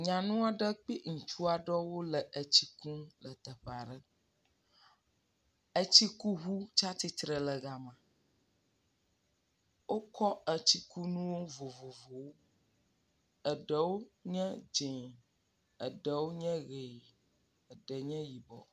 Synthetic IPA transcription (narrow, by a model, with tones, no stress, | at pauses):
ɲã˨nũ˦a˨ɖə˦k͡pi˦ŋũ˨t͡ʃu˦a˨ɖɔ˦wo˦lə˨ʔə˨t͡ɕi˦kũ˦lə˨t̪ə˨ɸa˨ɖə˦ | ə˦t͡ɕi˦ku˦ɦu˦t͡ʃa˦t̪i˦t̪ɾə˨lə˨ɡa˨mã˨ | wo˦kɔ˦ə˨t͡ɕi˦ku˦nũ˦wo˦vo˨vo˨vo˨wo˦ | ə˨ɖə˨wo˦ɲɛ̃˦d͡ʒẽ˨ | ə̰˨ɖə˨wo˦ɲɛ̃˦ɣe˨ | ə˨ɖə˨ɲɛ̃˦ji˨bɔ̰˨